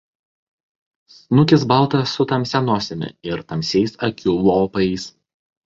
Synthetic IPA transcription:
snʊkʲɪs̬bɐlˠt̪ɐsʊt̪ɐmʲsʲɛnoːsʲemʲɪ̰ɪɾt̪ɐmʲsʲɛɪsɐkʲʊlˠoːpɐɪs

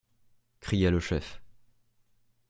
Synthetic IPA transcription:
kχijaləʃɛf

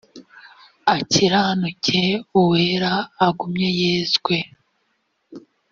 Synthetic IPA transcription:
aciɾaːnucʰeuweɾaːɡumɲe̞jeːzɡwe̞

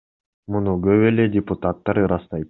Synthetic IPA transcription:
munuɡøβe̞le̞dʲɪput̪at̪ːɑɾɯɾɑst̪ɑjt̪

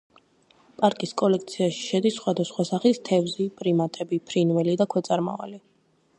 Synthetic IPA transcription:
pʼaɾkʼiskʼɔlɛk̚t̪sʰiaʃi̥ʃɛd̪isːχwad̪asχwasaχist̪ʰɛvzipʼɾimat̪ʼɛbipʰɾinvɛlid̪akʰwɛt̪sʼaɾma̰va̰li

